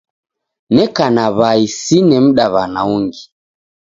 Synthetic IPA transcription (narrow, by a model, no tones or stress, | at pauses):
nɛkanaβaisinɛm̩ɗaβanauŋɡi